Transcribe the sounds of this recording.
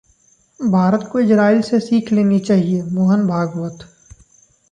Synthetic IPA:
bʱaːɾət̪koɪd͡ʒɾaːɪlsesiːkʰleːnit͡ʃaːɦiemoːɦənbʱaːɡʋət̪

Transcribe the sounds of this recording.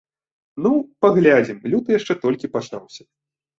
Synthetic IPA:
nupaɣlʲad͡zʲimlʲut̪ɨjaʂt͡ʂɛt̪ɔlʲkʲipat͡ʂa̰wsʲɐ̥

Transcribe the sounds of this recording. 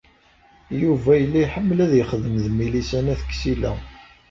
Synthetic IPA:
juvæjəlːijħəmːlæðjəχðəmðmilisænæθə̥kːsilæ̰

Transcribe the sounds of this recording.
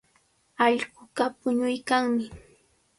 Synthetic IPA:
ɑʎɢʊɢapʊɲʊjkaŋmɪ

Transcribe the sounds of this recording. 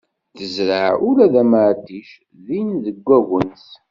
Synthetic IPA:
θəzɾəʕʔʊlæðæməʕd̪iʃ | ðinðəɡʷːæɣənθ

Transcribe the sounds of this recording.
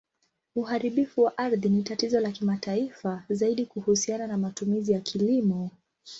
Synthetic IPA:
uhaɾiɓifuwaʔaɾðinitatizɔlakimataifazaiɗikuhusiananamatumizijakʰilimɔ

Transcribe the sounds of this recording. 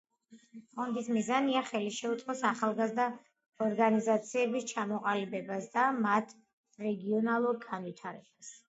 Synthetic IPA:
χʼɔnd̪ismizaniaχɛliʃɛut̪sʼqʼɔsaχalˠɡazd̪a | ɔɾɡanizat̪sʰiɛbist͡ʃʰamɔqʼalibɛbasd̪amat̪ʰ | ɾɛɡiɔnalˠuɾɡanwit̪ʰaɾɛb̥as

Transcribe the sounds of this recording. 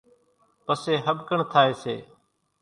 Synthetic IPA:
pəseːɦəɓkəɳt̪ʰaːeːsḛː

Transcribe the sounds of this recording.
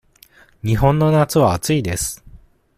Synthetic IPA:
ɲ̟iɦõ̞nːo̞nat͡sɨβaːt͡sɨid̪e̞sɨ̥

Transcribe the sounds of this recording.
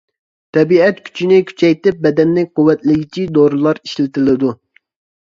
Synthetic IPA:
t̪ʰɛbiɛt̪kʲʰy̥t͡ʃʰinɪkʲʰy̥t͡ʃʰɛjt̪ɪp̚bɛd̪ɛnːɪk̚ʲqʰuwːɛt̪lɪɡʲit͡ʃʰid̪oɾɨlˠɑɾiʃlɪt̪ɪlɪd̪u

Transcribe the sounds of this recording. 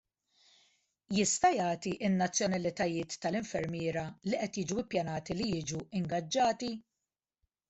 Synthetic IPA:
jɪst̪ɐjɐːt̪iʔɪnːɐt͡sːjɔnɐlɪt̪ɐjɪːt̪ːɐlɪɱfɛɾmjɪːɾɐliʔɛt̪jɪːd͡ʒuɪpːjɐnɐːt̪ilijɪːd͡ʒuɪŋɡɐd͡ʒːɐːt̪i

